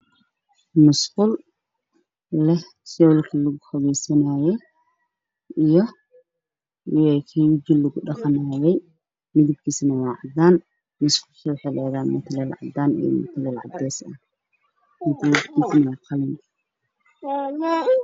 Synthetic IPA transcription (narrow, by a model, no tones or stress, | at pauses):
mʊsqʊl | lɛh | sɔwlkʰɐlɐɣʊfɐɣɛjsɐnaːjɛj | ijɔ | ɛkʰɛd͡ʒɪlːɐɣʊɗɑqɑnaːjɛj | mɪðɪb̚kʰiːsnɐwaːʕɑd̪aːn | mʊskʊsɔːħɛlɛːðaːmʊt̪ʰlɛlʕɑ̰d̪aːnḭmʊ̰t̪ʰlɛːlʕɑ̰d̪ɛːsɐ | mɪt̪ʰlifkʰiːsnɐwaːqɑlɪn